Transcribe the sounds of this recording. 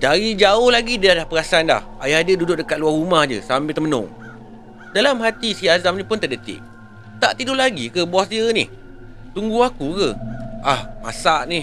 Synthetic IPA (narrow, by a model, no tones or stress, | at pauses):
daɾid͡ʒaʊhlaɡidəalahpəɾasanla̰hajadədudʊʔ̚dəkat̪̚luarumahd͡ʒə̰sambɪlt̪əmənʊ̰ŋ | dalamɦat̪isiazamnĩpʊnt̪ədət̪ɪ̰ʔ̚ | t̪a̰ʔt̪idʊlaɡikəbuwasdiənɪ̰h | t̪uŋɡuakukəʔahma̰saʔnih